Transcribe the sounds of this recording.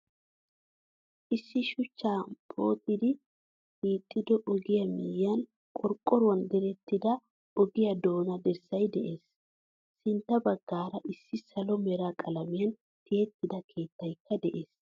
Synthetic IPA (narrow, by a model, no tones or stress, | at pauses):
ʔɪsːɪʃʊt͡ʃːaːpʰʼo̞ːt̪ʼːɪd̪ɪ | biːt̪ʼːɪd̪ɔʔɔɡɪjɐmijɐn | kʼɔɾkʼːɔɾʊwɐnd̪ɛɾɛt̪ːɪd̪ɐ | ɔɡɪjɐd̪o̞ːnɐd̪ɛɾsːɐjd̪ɛʔeːsː | ɪnt̪ːɐbɐɡːaːɾɐʔɪsːɪsɐlɔmɛɾakʼɐlɐmɪjɐn | t̪ʰɪjɛt̪ːɪd̪ɐkʰe̞ːt̪ːɐjkʰːɐd̪ɛʔeːs